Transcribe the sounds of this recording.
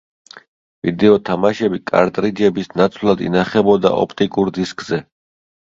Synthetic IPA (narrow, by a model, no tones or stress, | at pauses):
vid̪ɛɔt̪ʰamaʃɛbikʼa̰ɾt̪ʼɾid͡ʒɛbisnat̪sʰvlˠad̪ḭnaχɛbɔd̪a̰ʔɔ̰pʰt̪ʼikʼuɾd̪iskʼzɛ